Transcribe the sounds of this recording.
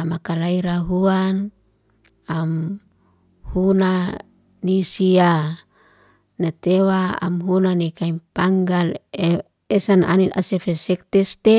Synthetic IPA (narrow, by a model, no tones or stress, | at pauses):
amakalaiɾaɦuan | am | huna | nisia | nat̪ewaa̰mɦunanikaimpaŋɡal | esana̰nit̪a̰sefesɛk̚t̪ɛst̪e